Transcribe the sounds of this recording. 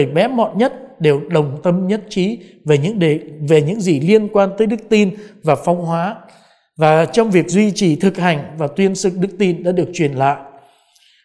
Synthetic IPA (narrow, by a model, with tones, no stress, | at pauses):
jɓɛ̰˨˦mɔ̰˧˨tɲə˦˥t̚ɗe˨˩wɗə˨˩wŋ͡mt̪ə˧mɲə˦˥t̚t͡ɕi˨˦ | ve˨˩ɲɨ̰˧˥ŋ˨˩ve˨˩ɲɨ̰˧˥ŋzi˨˩li˧ənkwaː˧nt̪əː˨˦jɗɨ˦˥k̚t̪i˧nvaː˨˩fɔ˧wŋ͡mɦwaː˨˦ | vaː˨˩t͡ɕɔ˧wŋ͡mvi˨˩ək̚zwi˧t͡ɕi˨˩t̪ʰɨ˨˩k̚ha˨˩jŋ̟vaː˨˩t̪wi˧ənsɨ˨˩k̚ɗɨ˦˥k̚t̪i˧nɗa̰ː˧˥ɗɨ˨˩ək̚t͡ɕwi˨˩ənla̰ː˧˨jʔ